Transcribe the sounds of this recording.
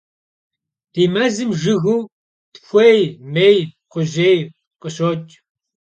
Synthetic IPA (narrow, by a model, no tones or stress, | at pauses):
d̥iːmɐzɨmʒɨɣuː | txʷejmeːjqʷʊʑeːj | qəɕoːt͡ʃʼ